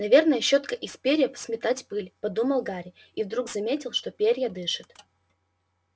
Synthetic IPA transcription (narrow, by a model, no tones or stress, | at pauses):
nɐvʲe̞rnəjəɕot̪kəʔɪspʲeɾʲjəpə̥smʲɪt̪atʲpɨlʲpɐd̪uməlˠɡaɾʲɪ | ivd̪ɾuɡzɐmʲetʲɪlˠʂt̪opʲeɾʲjəd̪ɨʂɨt̪